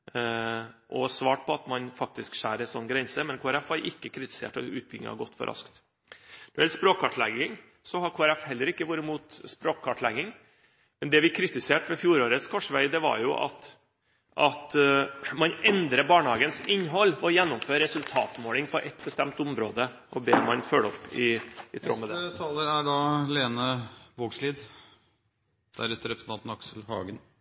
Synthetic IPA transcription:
ʔɔsʋɑːʈ̚pʰɔɑt̪mɑnfɑk̚t̪ɪskʂæːɾɛnsɔnːɡɾɛnsəmɛnkʰoːæɾɛfʋɑɾʔɪkːəkʰɾɪt̪ɪ̥sḛːʈɔ̰ʉːt̪̚bɪŋːɑ̰ɡɔt̪ːfɔ̰ɾʔɑ̰skt̪ | nɔɾɪɛlspɾoːkʰːɑʈlɛɡɪŋ | sɔhɑɾkʰoːæɾɛfhɛlːəɾɪkːəʋuːɾəmuːt̪spɾoːkʰːɑʈlɛɡɪŋ | mɛnd̪ɛʋɪkʰɾɪt̪ɪseːʈʋɛfjuːɾoːɾət̪skʰɔʂʋæɪd̪ɛʋɑ̰ɾjʊʔɑ̰t̪ | ʔɑt̪mɑnɛnd̪ɾəbɑːɳəhɑːɡənsɪnːɦɔlːɔjɛnːʊmføːɾɾɛsʉlt̪ʰɑ̰ːt̪moːlɪŋpʰɔʔɛt̪bəst̪ɛmt̪ʊmɾoːd̪əʔɔbeːɾmɑnfœɭɔpːɪ̰ɪt̪ʰɾo̰ːmɛd̪ɛt̪ʰɑːləɾæɖɑleːnəʋoːɡsliːd̪ | d̪̥æ̰ɾɛt̪əɾɛpɾəsn̩ɑnt̪n̩ɑksəlhɑ̰ːɡən

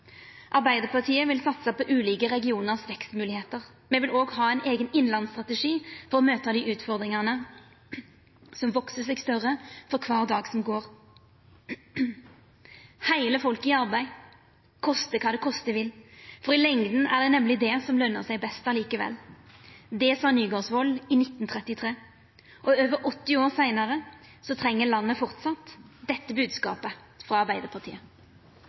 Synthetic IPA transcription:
ʔɑʁbæɪd̪əʁpʰɑt̪ʰiːəʋɪlsɑt̪səpʰɔʔʉːliːkəʁɛɡɪuːnəʁsʋɛkst̪mʉːlɪheːt̪əʁ | mɛʋɪloːɡhɑːæɪnʔeːɡənɪnlɑnst̪ʁɑt̪ɛʂiːfɔʁɔmøːt̪ɑd̪iʔʉːt̪fɔʁd̪ʁɪŋənə | sɔmʋɔksəsɛɡst̪œʁəfɔʁkʰʋɑːʁd̪ɑːɡsɔmɡoːʁ | hæɪləfɔlkɪɑʁbæɪ | kʰɔst̪əkʰɑːd̪ɛkʰɔst̪əʋɪlfɔʁɪlɛŋd̪n̩æʁd̪ɛnɛmlɪd̪ɛsɔmlœnːəsæɪbɛst̪ɑliːkəʋɛ̰lː | d̪ɛsɑːnyːɡoːsʋɔlɪnɪt̪ːn̩t̪ʰʁɛt̪ɪt̪ʰʁeː | ʔɔøːʋəɾʔɔt̪ːɪoːʁsæɪnəʁə | sɔt̪ʰʁɛŋːəlɑnːəfɔʁt̪sɑt̪d̪ɛt̪ːəbʉːd̪skɑ̰ːpə | fʁɑɑʁbæɪd̪əpʰɑʁt̪ʰḭːə

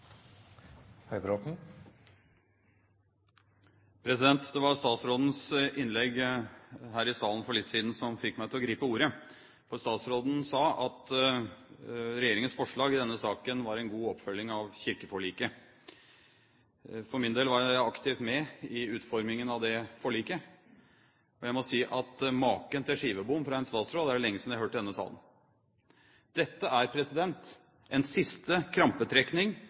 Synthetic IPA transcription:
hœʏbɾot̪n̩ | pʰɾɛsɪd̪ɛnt̪d̪ɛʋɑɾst̪ɑːt̪sɾoːd̪n̩sʔɪnlɛɡ | ɦæːɾɪsɑːln̩fɔɭɪt̪ːsiːd̪n̩sɔmfɪkmæɪt̪ʰɪlɔɡɾiːpəuːɾə | fɔɾst̪ɑːt̪sɾoːd̪n̩sɑːɑt̪ | ɾɛjeːɾɪŋənsfɔʂɭɑːɡɪd̪ɛnːəsɑːkənʋɑɾɛnɡuːɔpːfœlːɪŋɑʋçɪɾkəfɔɭiːkə | fɔɾmɪnd̪eːlʋɑɾjæɪɑkt̪ʰɪːft̪mɛɪʉːt̪fɔɾmɪŋənɑʋd̪ɛfɔɭiːkə | ɔjæɪmɔsiːʔɑt̪mɑːkənt̪ʰɪlʂiːʋəbʊmfɾɑɛnst̪ɑːt̪sɾoːd̪æɖɛlɛŋːəsɪnd̪æhɦøːʈːd̪ɛnːəsɑ̰ːlən | d̪̥ɛt̪ːəʔæɾpʰɾɛsɪd̪ɛnt̪ | ʔɛnsɪst̪əkʰɾɑmpət̪ʰɾɛknɪŋ

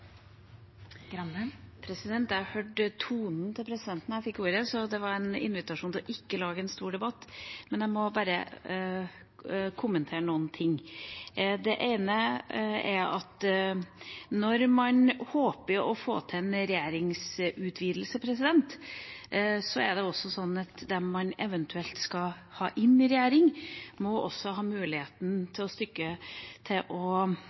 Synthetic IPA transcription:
pʰɾɛsɪd̪ɛnt̪jæhɑɾhøːɖt̪ʰuːnn̩t̪ʰɪlpʰɾɛsɪd̪ɛnt̪næɪfɪkːuːɾəsɔd̪ɛʋɑɾɛnɪ̰nʋɪt̪ɑʂuːnʰlɔʔɪkːəlɑːɡəɛnst̪uːɖɛbɑt̪ːmɛnæɪmɔbɑːɾə̰ | kʰʊmːənt̪ʰeːɾənuːnt̪ʰɪŋː | d̪ɛʔeɪnə | ɛɾɑt̪ | nɔɾmɑnhoːpəɾɔfo̰ːt̪ʰɪnɾɛjeːɾɪŋsʉt̪ʰʋiːd̪l̩səpʰɾɛsɪd̪ɛnt̪ | sɔɛɖɛɔsːɔsɔnːɑt̪d̪ɛmɑnɛʋənt̪ʰʉɛlt̪skɑ | hɑ̰ːʔɪnɪɾɛjæːɾɪŋmɔʔɔ̰sːɔɦɑːmʉːlɪheːt̪n̩t̪ʰɪlɔst̪ʏkːət̪ʰɪlʔɔ

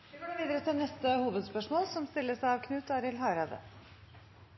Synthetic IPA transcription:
ɪɡoʋiːd̪əɾət̪ʰɪlnɛst̪əhuːʋəd̪spœʂmoːlsɔmst̪ɪlːəsæɪɑʋkʰnʉːt̪ɑːɾɪlɦɑːɾɑd̪ə̰

